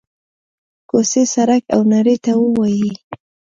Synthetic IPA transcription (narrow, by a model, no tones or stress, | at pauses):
kosesaɾakawnaɾet̪awəwaji